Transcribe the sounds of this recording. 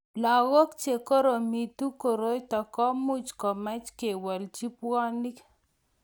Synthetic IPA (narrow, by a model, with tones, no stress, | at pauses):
la˨ɣo˦kt͡ʃe˨ko˦ɾo˨mi˨tu˦ko˨ɾo˦jtɔ˨kɔ˦mʊ˦t͡ʃkɔ˨mɛ˦t͡ʃke˨wɔ˨ld͡ʒi˦pɔ˦ni˦k